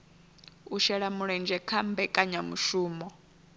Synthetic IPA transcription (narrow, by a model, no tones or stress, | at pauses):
uʃɛɺamuɺɛnd͡ʒɛkʰambɛkʼaɲamṵʃuːmɔ